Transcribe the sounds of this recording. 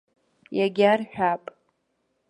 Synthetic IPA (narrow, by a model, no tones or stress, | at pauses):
jaɡʲarħᶣapʼ